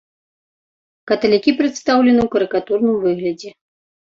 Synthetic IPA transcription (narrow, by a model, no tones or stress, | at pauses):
kɐt̪ɐlʲikʲipɾɛt̪st̪awlʲɛnɨwkɐɾɨkat̪urnɨmvɨɣlʲɐd͡zʲɛ